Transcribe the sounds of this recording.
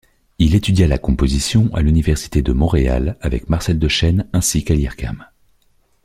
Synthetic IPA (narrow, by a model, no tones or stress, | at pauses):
ilet̪yd̪jalakɔ̃pozisjɔ̃ʔa̰lynivɛʁsi̥t̪ed̪əmɔ̃ʁea̰lavɛ̰kmaʁsɛld̪əʃɛnɛ̃sikaljɛʁka̰m